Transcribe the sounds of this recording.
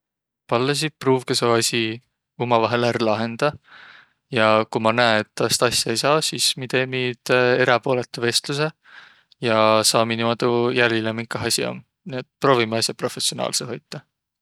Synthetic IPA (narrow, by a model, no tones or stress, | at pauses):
pɑlːɑs̬ipruːvkesoɑsʲi | umɑvɑɦelæɾlɑɦe̞nd̪̥ɑ | jɑkumɑnæeet̪ˑːɑst̪ɑsʲjɑejsɑːsismit̪emid̪̥e̞ɾɑpo̞ːle̞t̪ːˑuve̞st̪lus̬e̞ | jɑsɑːminimɑd̪ujælilemiŋkːˑɑɦɑsʲio̰m | niet̪̚ːpro̞ːvimeɑsjɑpro̞fe̞sio̞nɑ̰ːlseɦo̞jt̪ːˑɑ